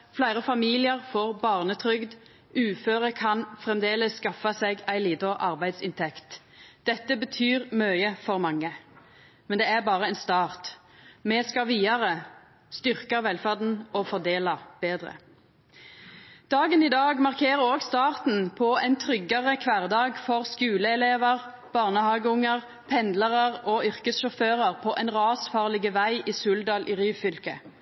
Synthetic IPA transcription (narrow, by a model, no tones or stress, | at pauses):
flæɪʁəfɑmiːlɪəʁfɔʁbɑːʁnət̪ʰʁʏɡd̪ | ʉːføːʁəkʰɑnfʁɛmd̪eːləsːkɑfɑsɛɡæɪliːd̪ɔʔɑ̰ʁbæɪd̪sɪ̰nt̪ʰɛkt̪ | d̪̥ɛt̪ːəbət̪ʰyːʁmœʏəfɔʁmɑŋːə | mɛnd̪ɛːæʁbɑːʁəɛɪnst̪ɑːʁt̪ | mɛskɑʋiːɑʁə | st̪ʏʁkɑʋɛlfæʁd̪n̩ɔfɔd̪eːlɑb̥eːd̪ʁə̰ | d̪̥ɑːɡəniːd̪ɑːɡmɑʁkʰeːʁəɾoːɡst̪ɑːʁt̪n̩pʰɔɛɪnt̪ʰʁʏɡːɑʁəkʰʋæʁd̪ɑːɡfɔʁskʉːləɛleːʋəʁ | b̥ɑːʁnəhɑːɡəʊŋəʁ | pʰɛnd̪ləʁəʁɔʏʁkəsʃɔføːʁəʁpʰɔʔɛnʁɑːsfɑːʁlɪɡəʋæɪʔiːsʉːld̪ɑːlʔiːʁyːʋfʏlkə̰